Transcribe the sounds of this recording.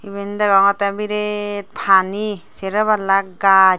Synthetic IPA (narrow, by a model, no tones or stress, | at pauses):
iβend̪aɡaŋat̪abiɾet̪̚pʰaniseɾaβalak̚ɡa